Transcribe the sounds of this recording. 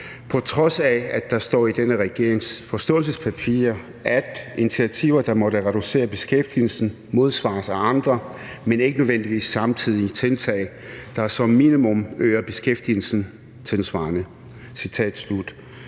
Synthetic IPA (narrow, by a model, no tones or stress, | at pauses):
pʰɒ̽t͡sʰʁɒ̽sææd̥ɑ̈sd̥ɒ̰ːid̥enəʁɛɡ̥e̝ɐeŋsfɒ̽sd̥ɔ̰̽ːlsəspʰæpʰḭːɐ | ʔæd̥init͡sʰiæt͡sʰḭʊɐd̥ɑ̈mɒ̽ɾəʁɛɾ̥use̝̰ːɐb̥e̝sɡ̥efd̥ḭl̩sn̩ | mo̝ð̞ˠsʋɑ̰̈ːsæɑ̈nd̥ʁɐmene̝ɡ̥ənøðˠʋen̰d̥iʋḭːsɑ̈mt͡sʰið̞̰ˠit͡sʰe̝lt͡sʰɛ̰ːɪ | d̥ɑ̈sɒ̽mːinimɔ̽møːɐb̥e̝sɡ̥efd̥ḭl̩sn̩ | t͡sʰe̝lsʋɑ̈ːnə | sit͡sʰɛ̰ːd̥slud̥